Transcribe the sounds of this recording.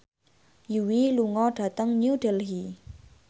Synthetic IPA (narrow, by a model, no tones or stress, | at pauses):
juwiluŋɔɖ̥a̤t̪əŋɲuɖɛlɦi